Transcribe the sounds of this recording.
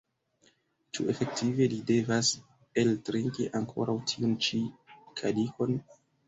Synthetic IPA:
t͡ʃṵe̞fe̞k̚tive̞lide̞vas | e̞ltɾiŋkiʔaŋkʰo̞̰ɾawtʰiunt͡ʃikʰadiko̞n

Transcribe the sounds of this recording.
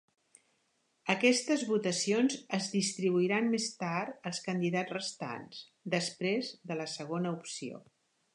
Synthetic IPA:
əkɛst̪əzβut̪əsionzəzðist̪ɾiβ̞uiɾanmest̪aɾt̪əlˠskənd̪iðad͡zrəst̪a̰ns | d̪əspɾezðələsəɣ̞onəupsio̰

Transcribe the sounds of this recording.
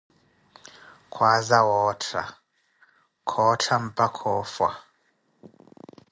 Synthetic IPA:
kʰwazawɔtʰa̰ | kʰɔtʰam̩pakʰɔfwa̰

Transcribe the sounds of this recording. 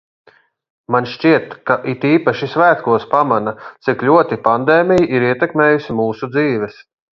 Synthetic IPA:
manʃt͡ʃiɛt̪kaʔit̪iːpaʃisvæːt̪kuɔspamanat̪siklʲuɔt̪ipand̪eːmʲijiʔiɾiɛt̪ɛkmeːjusimuːsud̪ziːʋɛs

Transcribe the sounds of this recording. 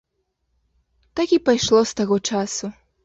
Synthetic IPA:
t̪akʲipajʂlˠɔst̪aɣɔt͡ʂasu

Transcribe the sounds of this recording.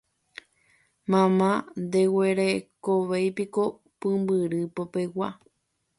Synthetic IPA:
mãmãnd̪ewe̞ɾekoʋejpiko̞ | pɨ̃mbɨɾɨpopewa̰

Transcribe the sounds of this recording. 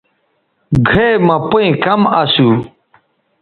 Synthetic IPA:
ɡʱemɐ̃puĩkɐmɐsu

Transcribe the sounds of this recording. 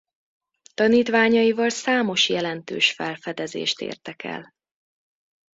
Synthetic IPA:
t̪ɒniːt̪ʋaːɲɒjivɒlsaːmoʃjɛlɛnt̪ø̰ːʃfɛlfɛd̪ɛzḛːʃt̪ḛːrt̪ɛkɛ̰l

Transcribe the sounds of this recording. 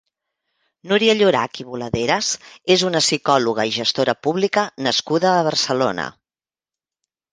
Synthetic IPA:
nuɾiəʎuɾa̰kiβuləðeɾəzezunəsikɔluɣ̞əiʒəst̪oɾəpuβlikənəskuðəːβərsəlonə̰

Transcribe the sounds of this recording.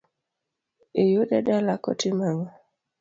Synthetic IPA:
ejoɗaɗalakɔ̰timaŋa

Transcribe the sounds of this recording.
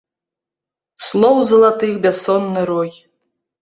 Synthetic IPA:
slˠɔwzɐlˠat̪ɨxbʲasɔnːɨɾɔj

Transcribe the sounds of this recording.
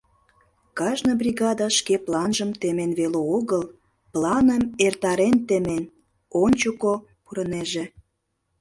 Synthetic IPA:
kɑʒnobrʲiɣɑd̪ɑʃkeplɑnʒəmt̪emenβeleoɣəl | plɑnəmert̪ɑɾent̪ĕmen | onʲt͡ɕuko | puɾəneʒĕ

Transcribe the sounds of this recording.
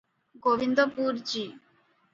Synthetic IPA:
ɡoʋind̪opuɾd͡ʑi

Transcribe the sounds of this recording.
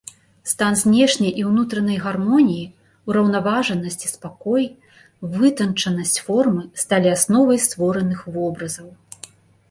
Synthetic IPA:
st̪anzʲnʲɛʂnʲɐjʔiwnut̪ɾɐnɐjɣarmɔnʲiji | uɾɐwnavaʐɐnɐsʲt͡sʲi̥spakɔj | vɨt̪ɐnt͡ʂɐnɐsʲt͡sʲfɔrmɨst̪alʲiasnɔvɐjst̪vɔɾɐnɨxvɔbɾɐzɐw

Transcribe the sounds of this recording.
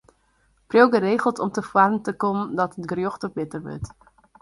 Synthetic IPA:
prowɡəɾeːɣəlˠtɔmtəfwarn̩təkɔmdɔtətɡrjoxtəbɪtərʋø̰t

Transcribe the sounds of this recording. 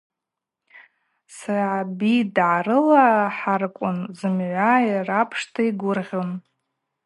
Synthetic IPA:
sarabidʕaɾɨlaħarkʷʼʊnzɨmʕʷairapʰʂtʰaiɡʷʊrʁʲon

